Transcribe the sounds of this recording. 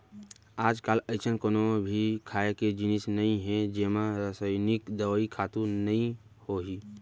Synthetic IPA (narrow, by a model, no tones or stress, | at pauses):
aːd͡ʒkaːlɐɪt͡ʃənkoːnobʱikʰaːeked͡ʒɪnɪsnɐĩɦɛ̃d͡ʒeːmãɾəsəɪnɪkd̪ɐʋikʰaːt̪ũnɐĩ | hoɦiː